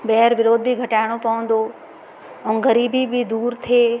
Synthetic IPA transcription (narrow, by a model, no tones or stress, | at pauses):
bɛɦəɾʋɪɾoːd̪̚biɡʱɐʈaːɪɽ̃opɐʋə̃n̆d̪o | ɛ̃ːɡɐɾiːbibʱid̪uːɾt̪ʰieː